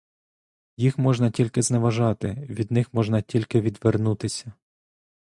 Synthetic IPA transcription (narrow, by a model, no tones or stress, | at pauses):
jixmɔʒnɐtʲilʲkɪzneʋɐʒɑt̪ɪʋʲid̪nɪxmɔʒnɐtʲilʲkɪʋʲid̪ʋernut̪ɪsʲɐ